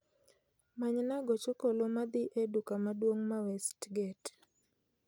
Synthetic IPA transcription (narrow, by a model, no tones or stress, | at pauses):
maɲnaɡɔt͡ʃokolomad̪ɪʔedukamadwoŋmawɛstɡɛt